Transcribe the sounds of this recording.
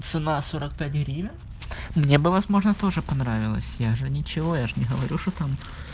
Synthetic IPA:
t̪sɨnasoɾək̚pʲætʲɣɾʲivʲə | mnʲe̞bɨvɐzmo̞ʐnət̪o̞ʐɨpɐnɾavʲɪlˠə̰sʲjaʐɨnʲɪt͡ɕɪvo̞jaʐɨnʲɪɦəvɐɾʲuʂt̪ot̪am

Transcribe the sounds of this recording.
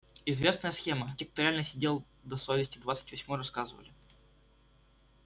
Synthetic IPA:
ɪzvʲe̞snəjəsxʲe̞mətʲɪk̚t̪ʊɾʲalʲnəsʲɪdʲe̞lˠ | d̪ɐsovʲɪsʲtʲɪd̪vat̪sɨ̥tʲvɐsʲmojɾɐskazɨvə̰lʲɪ

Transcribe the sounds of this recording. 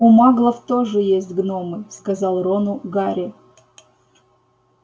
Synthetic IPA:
ʊmaɡlˠəft̪o̞ʐɨjesʲtʲɡnomɨskɐzɑlˠɾonʊɡaɾʲɪ

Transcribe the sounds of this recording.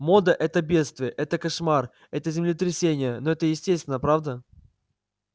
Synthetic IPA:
mo̞d̪əʔɛt̪əbʲe̞t̪st̪vʲɪəʔɛt̪əkɐʂmar | ɛt̪əzʲɪmlʲɪt̪ɾʲɪsʲenʲɪjənoɛt̪əjɪsʲtʲesʲt̪vʲɪnəəpɾavd̪ə

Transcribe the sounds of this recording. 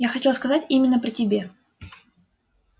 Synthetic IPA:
jaxɐtʲelˠəskɐzatʲimʲɪnːəpɾʲɪtʲɪbʲe̞

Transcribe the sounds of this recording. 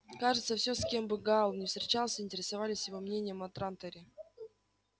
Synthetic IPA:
kaʐɨt̪səfsʲoskʲe̞mbɨɡalˠnʲɪfst̪ɾʲɪt͡ɕalˠsʲəɪnʲtʲɪɾʲɪsɐvalʲɪsʲjɪvo̞mnʲenʲɪjəmɐt̪ɾant̪əɾʲɪ

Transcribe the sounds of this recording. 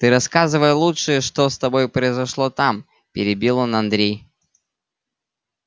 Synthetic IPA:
t̪ɨɾɐskazɨvəjlˠutʂɨjəʂt̪ost̪ɐbo̞jpɾəɪzɐʂlˠo̞t̪am | pʲɪɾʲɪbʲilˠonɐnd̪ɾʲej

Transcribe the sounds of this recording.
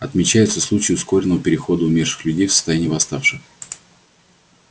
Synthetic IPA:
ɐt̪mʲɪt͡ɕæjʊt̪səslˠut͡ɕɪjʊsko̞ɾʲɪnːəvəpʲɪɾʲɪxo̞d̪əʊmʲerʂɨ̥xlʲʉdʲejfsə̥st̪ɐjænʲijvɐst̪afʂɨx

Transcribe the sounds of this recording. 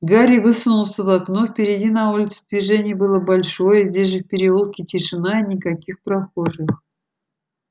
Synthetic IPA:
ɡaɾʲɪvɨsʊnʊlˠsʲəvɐknofpʲɪɾʲɪdʲinɐulʲɪt̪sʊ̥d̪vʲɪʐɛnʲɪjəbɨlˠəbɐlʲʂo̞jəzʲdʲesʲʐɨfpʲɪɾʲɪulˠkʲɪtʲɪʂɨnainʲɪkɐkʲixpɾɐxo̞ʐɨx

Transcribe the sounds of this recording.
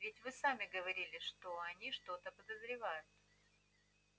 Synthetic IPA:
vʲɪtʲvɨsamʲɪɡəvɐɾʲilʲɪʂt̪oɐnʲiʂt̪o̞t̪əpəd̪əzɾʲɪvajʊt̪

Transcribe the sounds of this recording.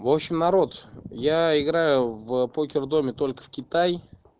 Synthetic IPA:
vo̞pɕɪmnɐɾo̞t̪jaɪɡɾajʊvpokʲɪrd̪o̞mʲɪt̪o̞lʲkə̥fkʲɪt̪aj

